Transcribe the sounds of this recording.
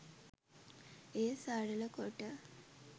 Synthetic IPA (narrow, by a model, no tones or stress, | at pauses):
eːsaːɽələkoʈːə